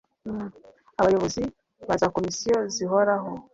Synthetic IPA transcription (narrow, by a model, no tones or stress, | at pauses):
aβajoβozi | βazakomisioziɦoɾaɦo